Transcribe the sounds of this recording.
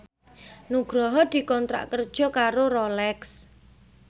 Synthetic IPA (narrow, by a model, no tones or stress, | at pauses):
nuɡ̥ɾɔɦɔd̪̥i̤kɔnt̪ɾa̰ʔkərd̥ʒ̥ɔ̤kaɾoɾɔlɛks